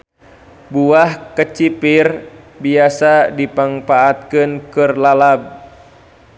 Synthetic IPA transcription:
buahkət͡ʃipir | biasadipaŋpaːt̪̚kɨnkɨrlalab̚

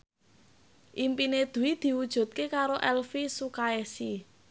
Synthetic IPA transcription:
ʔimpined̪̥ṳwid̪̥i̤wud̥ʒ̥ṳt̪̚kekaɾoʔɛlfisukaesi

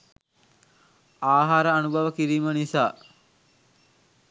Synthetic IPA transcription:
aːɦaːɾəanubʱaʋəkiɾiːmənisaː

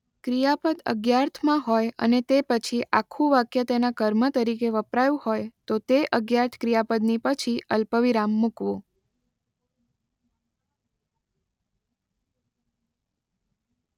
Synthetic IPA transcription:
kɾijapəd̪ə̰ɡjaɾt̪ʰmãɦojə̰net̪epət͡ʃʰiʔakʰːũʋakjət̪enakəɾmət̪əɾikeʋəpɾajũhojt̪ot̪eʔəɡjaɾt̪ʰkɾijapəd̪nipət͡ʃʰiəlpəʋiɾamːukʋõ

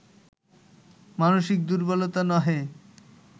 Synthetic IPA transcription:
manoʃik̚d̪uɾbɔlot̪anɔɦe

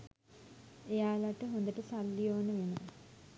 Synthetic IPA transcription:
ejaːlaʈəɦond̪əʈəsalːijoːnəʋenə

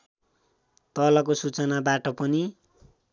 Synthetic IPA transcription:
t̪ʌlʌk̬osut͡sʌnabaʈʌpʌni

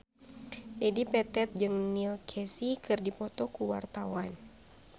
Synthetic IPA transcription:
d͡ʒadipɛt̪ɛt̪̚d͡ʒɨŋnilkʰɛsikɨrdipɔt̪ɔkuwa̰rt̪awan

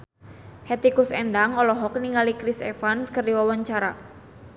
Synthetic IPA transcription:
het̪ikusɛndaŋɔlɔɦɔk̚niŋalikɾisḛfanskərdiwawaɲt͡ʃaɾa

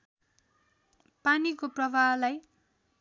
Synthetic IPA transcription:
panikoprʌbʱalaj

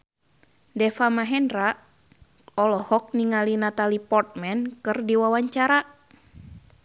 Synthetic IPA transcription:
dɛfamaɦɛnra | ɔlɔhɔk̚niŋalinat̪alipɔrt̪̚mɛnkɨrdiwawaɲt͡ʃaɾa

